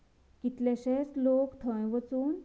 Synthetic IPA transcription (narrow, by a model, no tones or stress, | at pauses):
kit̪lɛɕet͡slokt̪ʰə̃jʋət͡suːn